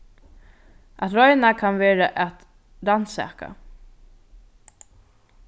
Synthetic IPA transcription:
ʔat̪ɾɔjnakʰanʋeːɾaʔat̪ | ɾansɛ̰ːka̰

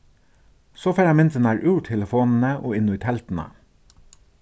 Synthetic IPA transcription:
soːfæɾɑmɪnt̪ənæːɹʔʉːʈʰɛləfoːnn̩əʔoːɪnʊiːt̪ʰɛlt̪n̩ə̰

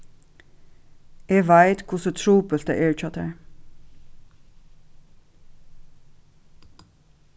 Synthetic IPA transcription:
eːʋæɪt̪kʰʊsət̪ʰɹuːpəlt̪ə̰ʔeːɹt͡ʃɑt̪ə̰ɹ

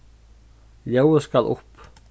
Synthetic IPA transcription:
ljowəskalʔʊ̰hp

